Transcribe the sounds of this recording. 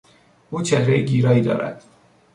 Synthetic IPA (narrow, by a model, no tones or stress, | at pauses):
ʔuːt͡ʃʰehɾejeɡiːɾɒːiːd̪ɒ̰ːɾæ̰d̪̥